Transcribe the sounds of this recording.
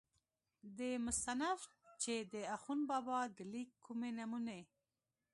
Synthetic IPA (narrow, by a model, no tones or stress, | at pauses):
d̪emʊst̪anaf | t͡ʃed̪əaxunbɑbɑd̪əlikʰːumenamune